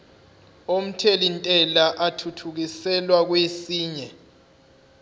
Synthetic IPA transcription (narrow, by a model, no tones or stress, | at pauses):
om̩tʰelintʼɛlaʔatʰutʰuk̬isɛlwak̬wesiːɲɛ